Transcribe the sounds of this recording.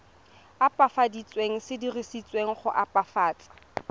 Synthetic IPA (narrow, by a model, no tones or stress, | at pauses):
apʼafadit͡sʼweŋ̩sɪdirisit͡sʼweŋ̩χʊʔapʼafaːt͡sʼḁ